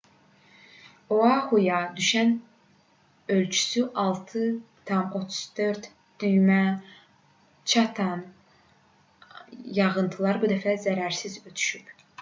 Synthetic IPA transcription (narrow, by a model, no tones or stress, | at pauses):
oɑhujɑd̪yʃæn | ø̞lt͡ʃʰy̥syʔɑlˠt̪ʰɯ | t̪ʰɑmo̞t̪ʰu̥z̥d̪ø̞ɾd̪ | d̪̥yjmæ | t͡ʃʰɑt̪ʰɑn | jɑɣɯnt̪ʰɯlˠɑɾbud̪æfæzæɾæɾsizø̞t̪ʰy̥ʃyp